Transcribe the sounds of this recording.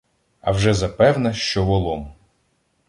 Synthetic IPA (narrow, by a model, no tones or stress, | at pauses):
ɐwʒɛzɐpɛwnɐʃt͡ʃɔʋɔlˠɔm